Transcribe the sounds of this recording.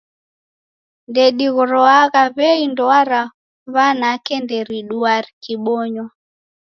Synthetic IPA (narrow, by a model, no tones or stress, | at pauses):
ndɛɗiɣɔɾɔaɣaβɛindɔaɾa | βanakɛndɛɾiɗuaɾikiɓɔɲwa